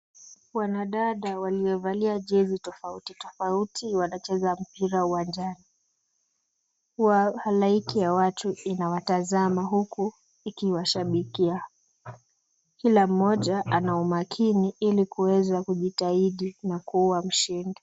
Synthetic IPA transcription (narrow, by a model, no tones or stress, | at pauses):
wanaɗaɗawaliɔvaliaʄɛzitɔfautitɔfautiwanat͡ʃɛzam̩piɾauwand͡ʒani | kuwahalaikijawatuinawatazamaɦuku | ikiwaʃaɓikia | kilam̩ːɔʄaʔanaumakʰiniilikuwɛzakuʄitaiɗinakuwam̩ʃindɔ